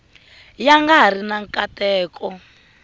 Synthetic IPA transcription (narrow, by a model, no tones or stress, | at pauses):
jaŋɡaɦr̤inaŋkʼatɛːkʼɔ